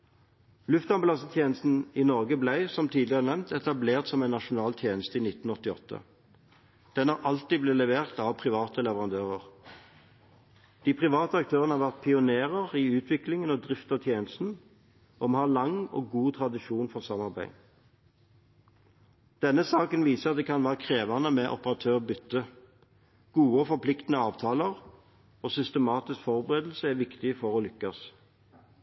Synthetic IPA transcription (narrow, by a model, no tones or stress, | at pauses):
lʉft̪ɑmblɑsət̪ʰjeːnəst̪n̩iːnɔʁɡəblæɪsɔmt̪ʰiːd̪lɪɑʁənɛmnt̪ɛt̪ɑbleːʁt̪sɔmæɪnɑʃʊnɑːlt̪ʰjeːnəst̪əiːnɪt̪n̩ɔt̪ːɪɔ̰t̪ʰːə̰ | d̪̥ɛnhɑːʁʔɑlt̪iːd̪bleːlɛʋeːʁt̪ɑʋpʰʁɪʋɑːt̪əlɛʋəʁɑnd̪øːʁəʁ | d̪̥iːpʰʁɪʋɑːt̪əɑk̚t̪ʰøːʁənəhɑʁʋæʁt̪̚pʰɪʊneːʁəʁiʉːt̪ʰʋɪklɪŋənɔd̪ʁɪft̪ɑt̪ʰjeːnəst̪n̩ | ɔmhɑːlɑŋɔ̰ɡuːt̪ʰʁɑd̪ɪʃuːnfɔʁsɑmɑʁbæɪ | d̪̥ɛnːəsɑːkənʋiːsəɑt̪̚d̪ɛːkʰɑnʋæːʁəkʰʁeːʋɑnəmɛʔɔ̰pəʁɑt̪ʰøːʁbʏt̪ːə | ɡ̥uːəːfɔpʰlɪkt̪ənəɑːʋt̪ʰɑːləʁ | oːsʏst̪əmɑːt̪ɪskfɔʁbəʁeːd̪l̩səæʋɪkt̪ɪfɔʁoːlʏkːɑs